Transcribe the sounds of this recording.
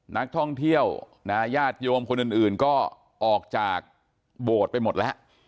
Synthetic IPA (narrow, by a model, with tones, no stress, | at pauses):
na˦˥k̚t̪ʰɔ˥˩ŋt̪ʰi˥˩əw | na˦˥jaː˥˩t̪̚joː˧mkʰo˧nʔɯ˨˩nʔɯː˨˩nkɔː˥˩ | ʔɔː˨˩k̚t͡ɕaː˨˩k̚ | boː˨˩t̪̚pa˧jmo˨˩t̪̚lɛ˦˥ʔ